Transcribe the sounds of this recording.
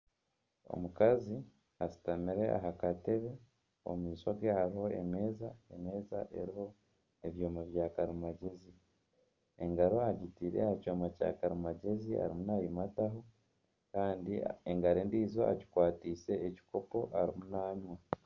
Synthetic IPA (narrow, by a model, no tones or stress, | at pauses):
o̞̰mukazi | asi̥tamiɾe̞ʔa̰ɦakate̞βe̞ | o̰mumiːswaɡehaɾiho̞ḛme̞ːzaeme̞ːzaʔe̞̰ɾiho̞ | eβjoːmaβjaːkaɾimaɟe̞zi | e̞ŋɡaɾo̞aɟitiɾe̞̰hacoːmaca̰ːkaɾimaɟe̞zia̰ɾimunajimataɦo̞ | kaːndieŋɡaɾeːndiːzo̞a̰ci̥kwaːtiːse̞ːci̥ko̞po̞ʔaɾimunaːɲwa